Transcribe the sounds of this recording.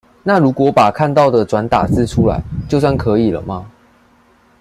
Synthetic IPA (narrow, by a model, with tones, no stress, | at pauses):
na˥˨ɻu˨˥kwɔ˧˦pa˨˩kʰa˥˧nt̪ɑ˥˩ʊd̪ə˨ʈ͡ʂwa˧˦nt̪a̰˨˩sɹ̩˥˨ʈ͡ʂʰu˦˥la̰˨˦ɪt͡ɕjo˥˧ʊswa˥˩nkʰɤ˨˦i˨˩lə̰˨˩ma˨